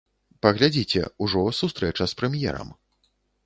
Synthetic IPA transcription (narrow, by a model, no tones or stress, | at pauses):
pɐɣlʲad͡zʲit͡sʲɛ̰uʐɔsust̪ɾɛt͡ʂɐspɾɛmjɛ̰ɾɐ̰m